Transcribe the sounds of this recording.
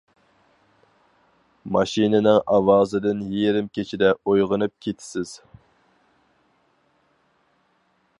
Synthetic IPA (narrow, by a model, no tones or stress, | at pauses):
mɑʃinɪnɪŋɑwɑːzɨd̪ɨnjeɾɪmkʲʰet͡ʃʰid̪ɛojʁənɨp̚kʲʰet̪ʰɪ̥sɪz̥